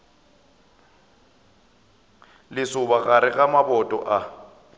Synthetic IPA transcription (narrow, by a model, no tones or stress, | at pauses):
lɪsʊbaɣaɾɪɣamabɔtʼɔ̰ʔa